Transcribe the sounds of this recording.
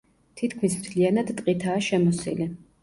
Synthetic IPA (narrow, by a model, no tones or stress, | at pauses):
t̪ʰit̪kʰmismt̪ʰlianad̪t̪ʼqʼit̪ʰaːʃɛmɔsḭli